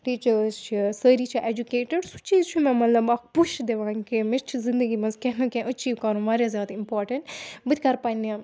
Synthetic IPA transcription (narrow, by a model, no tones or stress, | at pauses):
ʈiːt͡ʃəɾzt͡ʃʰisəːɾiːt͡ʃʰiʔeːd͡ʒukeːʈəɖsu̥t͡ʃiːzt͡ʃʰimɛ̃mɐt̪lɐbɐk̚puʃd̪eʋãːŋkemist͡ʃʰizɪnd̪əɡimɐzkɛnũkẽʔət͡ʃiːʋkaːɾũʋaːɾjazjaːd̪impoːɾʈəɳʈbɨt̪ʰʲkɐɾpaːniã